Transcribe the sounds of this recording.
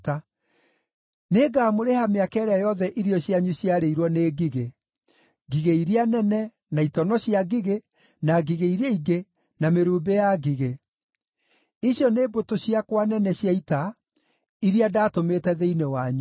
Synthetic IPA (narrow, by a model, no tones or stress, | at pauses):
ta | neːɡaːmoɾehameakɛːɾeajɔðɛʔiɾiɔɕiaɲuɕjaɾeiɾwɔneːɡiɣe | ɡiɣeiɾianɛnɛ | naitɔnɔɕjaɡiɣe | naɡiɣeiɾeiɡe | nameɾuːbejaɡiɣe | iɕjɔneːbotoɕiakwanɛnɛɕjaita | iɾiadaːtometɛðeinewaɲu